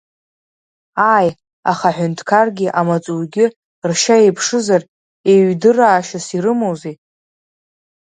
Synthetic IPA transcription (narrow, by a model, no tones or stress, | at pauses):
aj | aχaħʷᶣʊntʰkʰarɡʲɪʔamat͡sʼurɡʲɪ | rʃaejpʰʂɨzar | eɥdɨraːʃasiɾɨmowze